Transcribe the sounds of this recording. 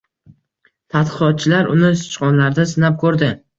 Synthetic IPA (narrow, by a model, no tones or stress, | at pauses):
t̪ʰat̪qɨqɒt̪̚t͡ʃʰɪlaɾʊnɪsɪ̥t͡ʃqɒnlaɾd̪asɪnap̚kʰɵɾd̪ɪ